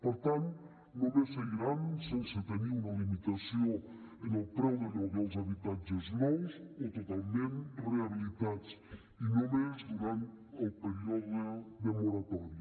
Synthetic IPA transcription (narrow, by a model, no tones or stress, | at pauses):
poɾt̪ant̪ | nõmeseiɾansenset̪eniunalimit̪asjo | enelpɾɛwðenoβowzaβit̪ant͡ʃeznowsot̪ot̪almẽnreaβilit̪at̪t͡s | inõmezd̪uɾant̪elpeɾioðooðemoɾat̪ɔɾjo